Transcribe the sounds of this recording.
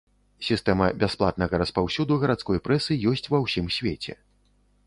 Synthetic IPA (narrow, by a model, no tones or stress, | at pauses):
sʲist̪ɛmɐbʲasplˠa̰t̪nɐɣɐɾɐspawsʲud̪uɣɐɾat̪skɔjpɾɛsɨjɔsʲt͡sʲvɐwsʲimsʲvʲet͡sʲɛ̰